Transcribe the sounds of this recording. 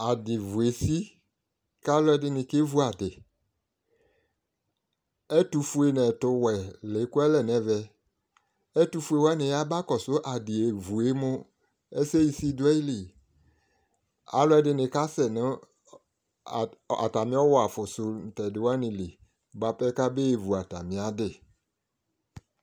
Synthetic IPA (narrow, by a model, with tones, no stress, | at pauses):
a˨dɪ˨vu˨e˨si˦ | ka˦lʊ˦ɛ˦dɪ˨˦nɪ˨ke˦vu˦a˨dɪ˨ | ɛ˦tu˨fu˦e˨nɛ˨tʊ˦wɛ˨le˨˦kʊ˦ɛ˦lɛ˨nɛ˨vɛ˨ | ɛ˦tu˦fu˦e˨wɛ˦nɪ˨ja˦ba˦kɔ˨sʊ˦ʔa˨dɪ˨e˨vu˨e˦mʊ˦ | e˦se˦ji˨si˦dʊ˦ɛ˦i˦li˨ | a̰˨lʊ˦ɛ˨dɪ˨nɪ˨ka˦sɛ˨nɪ̃˦˨ | a̰˨ta˨mɪ̃˦ɔ˦wɔ˦a˨fʊ˨sʊ˨n̩˨tɛ˨dɪ˨wa˦nɪ̃˨li˨˦ | ba˨pɛ˦ka˦be˦e˨vu˨a˨ta˨mɪ̃˨a˨dɪ˦˨